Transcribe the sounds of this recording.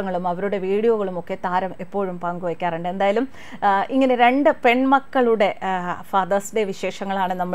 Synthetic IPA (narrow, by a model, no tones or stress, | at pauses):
ɐŋːɐɭumɐʋɐɾuɽe̞ʋiːɽijoːɣɐɭumo̞kːe̞t̪aːɾɐme̞pːo̞ːɻumpɐŋɡuʋɐkʲːaːreɳɖɨe̞nd̪aːjɐlum | iŋːɐneɾe̞ɳɖɨpe̞ɳmɐkːɐɭuɽe̞fɐːd̪ɐsdeʋiɕe̞ːʂɐŋːɐɭaːɳɨnɐmːɐ